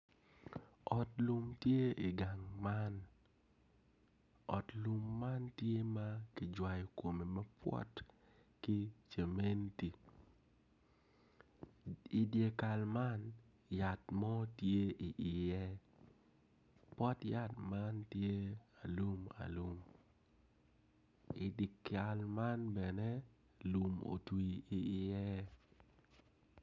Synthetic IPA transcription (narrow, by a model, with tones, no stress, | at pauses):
ɔ˨tlu˦mtje˦i˨ɡa˨ŋma˦n | ɔ̰˨tlu˦mːa˦ntje˦ma˦kɪ˨d͡ʒwa˨jɔ˨ko˨me˨mɐ˦pwɔ̰˦t | ki˦t͡ʃe˨me˦nti˨ | i˨dje˨ka˨lma˦n | ja˨tmɔ˦tje˦ʔi˨ʔɪ˨jɛ˦ | pwɔ˦tja˦tma˦ntje˦a˨lu˦ma̰˨lu˦m | ɪ˨di˨ka˨lma˦nbɛ˨nɛ˦ | lu˨mo̰˨twi˨i˨ɪ˨jɛ˦